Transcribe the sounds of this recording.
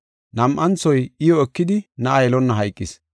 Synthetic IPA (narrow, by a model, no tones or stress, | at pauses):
nɐmʔɐnt͡sːɔjɪjɔɛkːɪd̪ɪnɐɐjlɔnːɐɦɐjkʼːɪs